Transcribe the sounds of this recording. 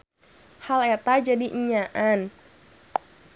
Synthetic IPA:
halet̪ad͡ʒadiʔiɲaʔan

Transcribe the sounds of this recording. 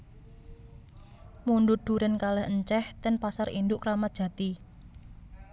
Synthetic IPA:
muɳɖud̪̥uɾɪnkalɛhəɲt͡ʃɛht̪ɛnpasaɾindʊʔkɾamadʒ̥ä̤t̪i

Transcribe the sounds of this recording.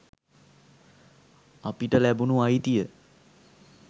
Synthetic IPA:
apiʈəlæbunuajt̪ijə

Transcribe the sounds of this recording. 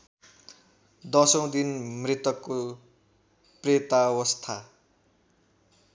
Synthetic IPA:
d̪ʌsʌ̃w̃d̪inmrit̪ʌkːo | pret̪awʌst̪ʰa

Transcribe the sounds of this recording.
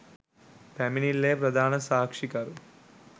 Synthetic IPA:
pɐminilːeːpɾɐd̪ʱaːnɐsaːkʂikaːɾu

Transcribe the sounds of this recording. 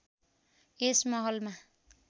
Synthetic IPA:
esmʌɦʌlma

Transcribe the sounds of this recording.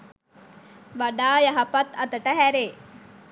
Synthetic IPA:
ʋaɖaːjɐɦɐpɐt̪ɐt̪əʈəɦæɾeː

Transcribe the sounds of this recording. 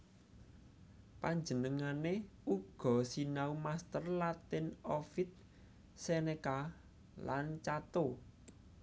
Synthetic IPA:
paɲd͡ʒənəŋane | uɡ̥ɔ̤sinaumast̪ərlat̪ɪnofɪt̪̚ | seneka | lant͡ʃat̪o

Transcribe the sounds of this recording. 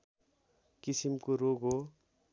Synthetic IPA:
kisimkoɾoɡo

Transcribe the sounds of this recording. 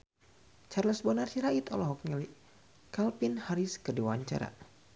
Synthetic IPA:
t͡ʃarlɔsbənarsiɾait̪ɔlɔɦɔk̚ɲəli | kalpinhaɾiskərdiwaɲt͡ʃa̰ɾa̰

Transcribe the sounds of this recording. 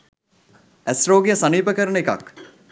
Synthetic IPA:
æsroːɡijəsaniːpəkəɾəneka̰k

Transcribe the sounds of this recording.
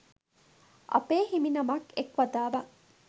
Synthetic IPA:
ʔɐ̰peːhiminɐmɐkekʋɐd̪aːʋɐ

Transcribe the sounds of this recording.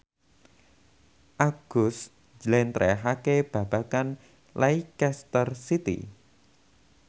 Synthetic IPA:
ʔaɡ̥ʊs | d͡ʒlɛnt̪ɾɛɦakeb̥ä̤b̥a̤kan | lʔaikɛst̪ərsit̪ḭ

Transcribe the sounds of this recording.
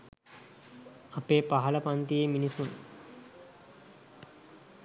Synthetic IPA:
apeːpaɦɐləpant̪ijeminisun

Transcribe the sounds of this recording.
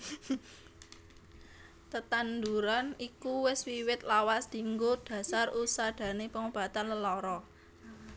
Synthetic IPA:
t̪ət̪and̪uɾanikuwɪswiwɪt̪̚lawasd̪̥i̤ŋɡoɖ̪̥ä̤sarusaɖ̪̥ä̤nepəŋob̥ä̤t̪anləlɔɾɔ

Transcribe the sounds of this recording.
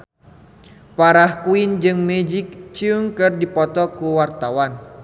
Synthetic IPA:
paɾahkuind͡ʒɨŋmɛd͡ʒik̚t͡ʃiuŋkɨrdipɔt̪ɔkuwart̪awan

